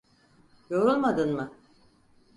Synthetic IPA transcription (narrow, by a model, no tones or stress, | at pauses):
jo̞ɾulˠmad̪ɯnmɯ